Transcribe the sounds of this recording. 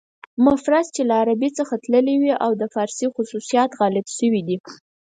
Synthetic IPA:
mʊfɾazt͡ʃelaːɾabit͡səxat̪ləliwiʔawd̪əfɑɾsixʊsusijɑt̪ɣɑlɪbʃəwid̪i

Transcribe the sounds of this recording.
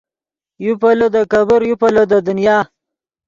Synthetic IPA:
jupalod̪əkabəɾjupalod̪əd̪ʊnjɑː

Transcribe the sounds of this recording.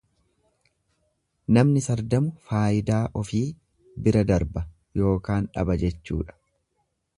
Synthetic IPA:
nɐmnɪsɐɾd̪ɐmʊfaːɪd̪aːʔɔfiː | bɪɾɐd̪ɐɾbɐ | jo̞ːkaːnᶑɐ̰bɐd͡ʒɛt͡ʃːṵːᶑɐ̥

